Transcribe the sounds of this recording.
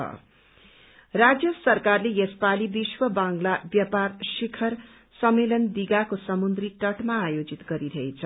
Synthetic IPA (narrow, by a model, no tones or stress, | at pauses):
ʌ̰ | rad͡zjʌsʌrkarlejespalibiswʌbãŋɡlabjʌparsikʰʌr | sʌmelʌnd̪iɡakosʌmund̪riʈʌʈmaːjod͡zit̪ɡʌɾiɾʌjt͡sʰʌ